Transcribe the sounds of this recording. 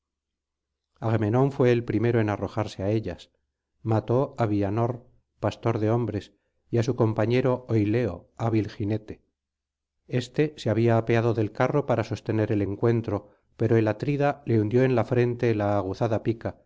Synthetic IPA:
aɣme̞nõ̞ɱfwe̞ːlpɾime̞ɾo̞e̞naro̞xaɾse̞ae̞ʎas | mat̪o̞aβiano̞ɾ | past̪o̞ɾðe̞o̞mbɾe̞s | ias̬uko̞mpaɲe̞ɾo̞ojle̞oaβilxine̞t̪e̞ | e̞st̪e̞seaβiaːpe̞að̞o̞ðe̞lkaro̞paɾaso̞st̪e̞ne̞ɾe̞le̞ŋkwe̞nt̪ɾo̞ | pe̞ɾoelat̪ɾiðale̞und̪jo̞e̞nlafɾe̞nt̪e̞laːɣ̞uθaðapika

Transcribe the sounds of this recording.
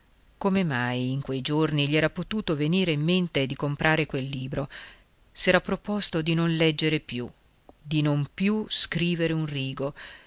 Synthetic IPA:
komemajiŋkwejd͡ʒorniʎiɛːɾapot̪uːt̪oveniːɾeimːent̪ed̪ikompɾʔaːɾekwelːiːbɾo | sɛːɾapːɾopost̪od̪inonlɛd͡ʒːeɾepju | d̪inompjuskɾiːveɾeunriːɡo

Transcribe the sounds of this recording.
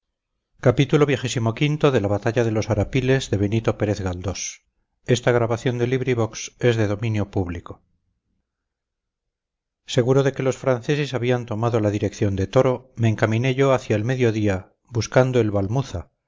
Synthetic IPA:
kapit̪ulo̞βje̞xesimokint̪o̞ðe̞laβat̪aʎaðe̞lo̞saɾapile̞zðe̞βe̞nit̪o̞pe̞ɾeθɣald̪o̞s | e̞st̪aɣɾaβaθjo̞nd̪e̞liβɾiβo̞kse̞zðe̞ðo̞mĩnjopuβliko̞ | se̞ɣuɾo̞ðe̞ke̞lo̞sfɾanθe̞se̞saβ̞iant̪o̞maðolaðiɾe̞kθjo̞nd̪e̞t̪o̞ɾo̞me̞ːŋkamĩne̞ʝo̞aθjaelme̞ðjo̞ðia | buskand̪oe̞lβalmuθa

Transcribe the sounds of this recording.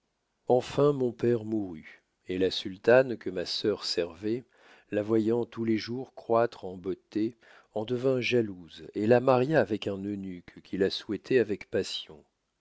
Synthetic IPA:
ɑ̃fɛ̃mɔ̃pɛʁmuʁy | elasylt̪ankəmasœʁsɛʁvɛ | lavwajɑ̃t̪uleʒuʁkχwat̪χɑ̃bot̪e | ɑ̃d̪əvɛ̃ʒaluzelamaʁjaːvɛkɛ̃nønykkʲʰilaswɛt̪ʰɛavɛkpasjɔ̃

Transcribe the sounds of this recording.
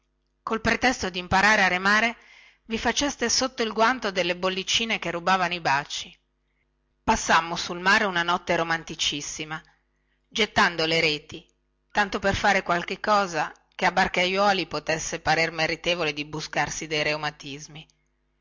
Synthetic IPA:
kolpɾet̪ɛst̪od̪impaɾaːɾeaɾemaːɾe | vifat͡ʃɛst̪esot̪ːoilɡwant̪od̪elːebolːit͡ʃiːnekerːubaːvanoibat͡ʃi | pasːamːosulmaːɾeunanɔt̪ːeɾomant̪it͡ʃisːima | d͡ʒet̪ːand̪oleɾeːt̪i | t̪ant̪operfaːɾekwalk̟ekːɔːza | keabːarkajwɔːlipot̪esːepaɾermeɾit̪eːvoled̪ibuskarsid̪ejɾeumat̪izmi

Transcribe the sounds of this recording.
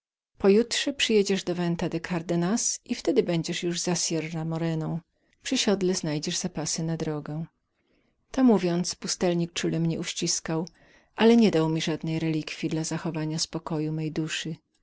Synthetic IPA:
pɔjutʂɛpʂɘjɛd͡ʑɛʐd̪ɔvɛnt̪ad̪ɛkʰaɾd̪ɛnasift̪ɛd̪ɘbɛɲd͡ʑɛʂjuʐzasʲjɛrːamɔɾɛnɔ̃w̃ | pʂɨɕɔd̪lɛznajd͡ʑɛʐz̥apasɘnad̪ɾɔɡɛw̃ | t̪ɔmuvʲjɔnt̪spust̪ɛlɲik̚t͡ʂulɛmɲɛuɕt͡ɕiskaw | ʔalɛɲɛd̪awmʲiʐad̪nɛjɾɛlʲikfʲjid̪lazaxɔvaɲaspɔkɔjumɛjd̪uʂɘ

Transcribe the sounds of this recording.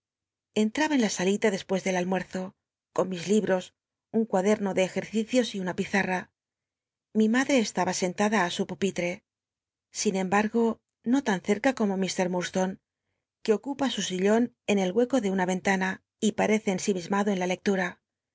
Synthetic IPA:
e̞nt̪ɾaβae̞nlasalit̪aðe̞spwe̞zðe̞lalmwe̞ɾθo̞ | ko̞nmizliβɾo̞s | uŋkwaðe̞ɾno̞ðe̞ːxe̞ɾθiθjo̞siunapiθara | mimaðɾe̞ːst̪aβase̞nt̪aðaːsupupit̪ɾe | sinẽ̞mbaɾɣo̞ | no̞t̪anθe̞ɾkako̞mo̞mist̪e̞ɾmuɾst̪o̞n | ke̞o̞kupasusiʎo̞n | e̞ne̞lɣwe̞ko̞ðe̞unaβe̞nt̪ana | ipaɾe̞θeːnsimizmaðo̞e̞nlale̞k̚t̪uɾa

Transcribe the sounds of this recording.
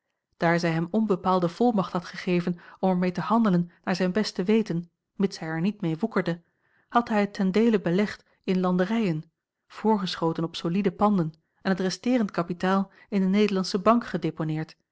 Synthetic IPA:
d̥aːɹzɛjɦɛmɔnbəpaːlˠdəv̥ɔlˠmɑχthɑtχəχejvənɔmɛɹmejtəhɑndələnːaːɹzɛjnbɛstəʋejtən | mɪtsɦɛjɛɹnitmejʋukəɹdə | hɑtɦɛjətʰːɛndejləbəlɛχt | ɪnlɑndəʁɛjən | v̥ʊːɹχəsχowtənɔpsolidəpɑndən | ɛnɦətrɛstɪːʁəntkɑpitaːlˠ | ɪndənejdəlɑnsəbɑŋkχədeponɪːɹt

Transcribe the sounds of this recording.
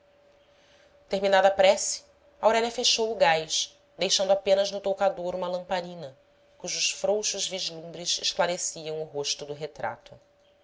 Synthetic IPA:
t̪eɾminad̪ɐapɾɛsi̥ | ɐawɾɛlʲɐfeʃowʊɡajʃ | d̪ejʃɐ̃nd̪ʊapẽnɐznʊt̪owkad̪oɾũmɐlɐ̃mpaɾĩnɐ | kuʒʊsfɾowʃʊzviʒlũmbɾɪʃḛʃklaɾesiɐ̃w̃ʊɦoʃt̪ʊd̪ʊɦet̪ɾa̰t̪ʊ

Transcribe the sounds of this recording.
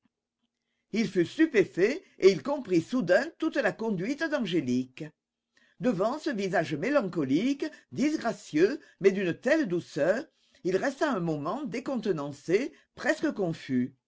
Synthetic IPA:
ilfyst̪ypefe | eilkɔ̃pχisud̪ɛ̃t̪ut̪əlakɔ̃d̪ɥit̪əd̪ɑ̃ʒelik | d̪əvɑ̃səvizaʒəmelɑ̃kɔlikd̪izɡʁasjø | mɛd̪ynət̪ɛld̪usœːʁ | ilʁɛst̪aɛ̃momɑ̃d̪ekɔ̃t̪ənɑ̃se | pʁɛskəkɔ̃fy

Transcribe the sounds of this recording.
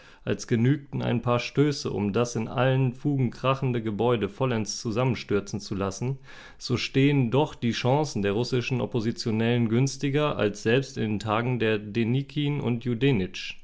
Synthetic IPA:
ʔalsɡ̥ənyːk̚tn̩a̰ɪnpʰaːɐʃtøːsə̰ʔʊ̰mdasɪnʔa̰lənfuːɡŋ̩kʁ̥aχn̩dəɡəbɔʏdəfɔlɛnst͡suzamənʃtʏɐt͡sn̩t͡sulasn̩ | z̥oːʃteːəndɔχd̥iːʃãŋsn̩deːɐʁ̞ʊsɪʃn̩ʔɔ̰pozit͡sjonɛlənɡʏnstɪɡɐʔa̰lsz̥ɛlpstɪndeːntʰaːɡŋ̩deːɐdenikʰiːnʊ̰ntʰjudenɪt͡ʃ

